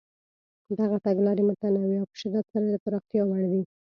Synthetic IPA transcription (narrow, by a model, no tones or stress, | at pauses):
d̪aɣat̪aɡlɑɾemʊt̪anawiawpə̥ʃɪd̪at̪saɾaləpəɾɑxt̪jɑwaɽd̪i